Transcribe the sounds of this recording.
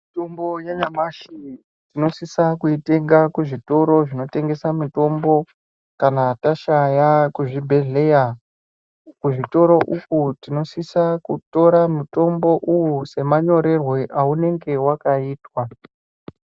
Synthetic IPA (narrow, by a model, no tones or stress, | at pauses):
mitombo̞jaɲamaʃi | tino̞sisakuite̞ŋɡakuʐito̞ɾo̞ʐino̞te̞ŋɡe̞samito̞mbo̞ | kanataʃajakuʐibʱe̞ɮe̞ja | kuʐito̞ɾo̞ʔukutino̞sisakuto̞ɾamuto̞mbo̞ʔujuse̞maɲo̞ɾe̞rwe̞ʔaune̞ŋɡe̞wakaiːtwa